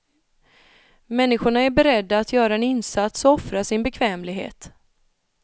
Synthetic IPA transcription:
mɛnːɪɧʊɳaæɾbɛɾɛd̪ːaːt̪jœːɾaɛnɪnsat̪sɔɔfɾaʂɪnbɛkʰvɛːmlɪɡɦḛːt̪

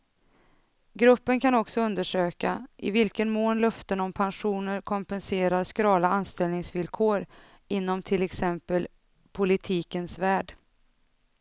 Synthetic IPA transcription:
ɡɾɵpːənkʰanɔksɔɵnd̪əʂøːkaʔɪ̰vɪlkənmoːnlœft̪ənɔmpʰanɧuːnəɾkʰɔmpɛnseːɾaɾskɾɑːlaanst̪ɛlnɪŋsvɪlkʰoːɾ | ɪnːɔmt̪ʰɪlɛksɛmpəl | pʰʊlɪt̪ʰiːkənsvæːɖ

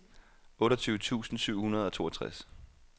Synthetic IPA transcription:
ɔ̽ːɾɐt͡sʰyːʊət͡sʰṵːsn̩syʊ̰hunɐð̞ˠɒ̽t͡sʰo̝̰ːɒɐt͡sʰʁas

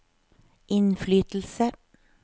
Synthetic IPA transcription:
ʔɪnflyːt̪l̩sə

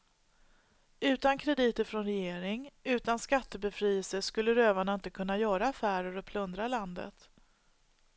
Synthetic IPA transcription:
ʉ̟ːt̪ankʰɾɛd̪iːt̪əɾfɾɔnɾɛjeːɾɪŋʉ̟ːt̪anskat̪ːəbɛfɾiːɛlsəskɵlːəɾøːvaɳaɪnt̪əkʰɵnːajœːɾaːfæːɾəɾɔpʰlɵnd̪ɾaland̪ə̰t̪

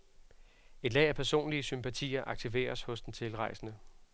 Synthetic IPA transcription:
e̝d̥lɛ̰ɪæpʰæɐso̝̰ːnliəsympʰæt͡sʰḭːɐʔɑ̈ɡ̥̚t͡sʰiʋe̝̰ːɐshɔ̽sd̥ent͡sʰe̝lʁɑ̈ɪ̰sənə

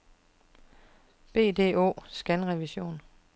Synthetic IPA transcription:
b̥e̝̰ːd̥e̝̰ːo̝̰ːsɡ̥ænʁɛʋiɕo̝̰ːn

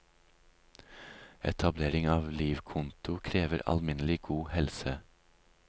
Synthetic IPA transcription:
ɛ̰t̪ʰɑbleːɾɪŋɑːʋliːʋkʰʊnt̪ʊkʰɾeːʋəɾɑ̰lmɪnəlɪɡ̥uːhɛlsə

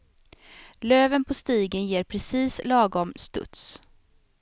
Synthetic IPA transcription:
løːvənpʰɔst̪iːɡənjeːɾpʰɾɛsiːslɑːɡɔmst̪ɵ̰t̪s

